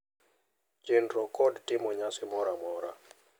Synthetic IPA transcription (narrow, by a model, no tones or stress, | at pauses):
t͡ʃɪnɾɔkɔdtɪmɔɲasɪmɔɾamɔɾa̰